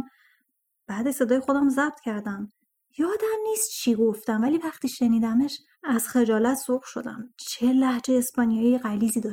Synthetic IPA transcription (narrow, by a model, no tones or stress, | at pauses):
b̥æːd̪eʃse̞d̪ɒːjexo̞d̪æmzæb̥t̪cʰæɾd̪æm | jɒːd̪æmniːst̪̚t͡ʃʰiɡo̞ft̪æmvæliːvæχt̪iːʃe̞niːd̪æme̞ʃ | æz̥xe̞d͡ʒɒːlæt̪ʰsobʃo̞̰d̪æ̰mt͡ʃʰelæhd͡ʒeːspɒːnijɒːijeɣæliːziːd̪ɒːʃ